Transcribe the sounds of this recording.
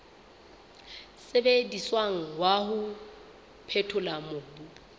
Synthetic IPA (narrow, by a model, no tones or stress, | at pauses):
sɪbediswaŋ̩wahʊ | pʰetʰʊlamʊːbu